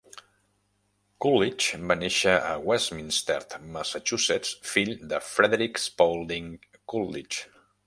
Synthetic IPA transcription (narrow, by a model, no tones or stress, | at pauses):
kulit͡ʃbaneʃəə̰wɛsminst̪ɛ̰ɾt̪məsət͡ʃusɛt͡sfiʎd̪əfɾɛðeɾikspowlˠd̪iŋ | kulit͡ʃ